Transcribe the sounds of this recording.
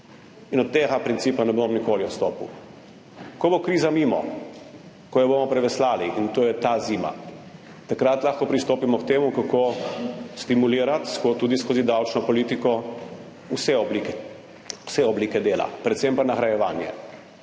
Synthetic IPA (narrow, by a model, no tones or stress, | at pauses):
inɔt̪t̪eːɡapɾint̪siːpanɛbomɔnikoːliɔt̪st̪oːpṵ | kɔbokɾiːzamiːmɔ̰ | kɔjɔbomɔpɾɛʋɛslaːliint̪oːjɛt̪aziːma̰ | t̪akɾat̪laxkɔpɾist̪oːpimɔkt̪eːmukakoːst̪imuliːɾat̪skot̪uːd̪iskoːzid̪awt͡ʃnɔpɔliːt̪ikɔ | usɛɔblik | u̥sɛɔbliːkɛd̪eːla̰pɾɛt̪sɛmpanaxɾajɛʋaːnjɛ̰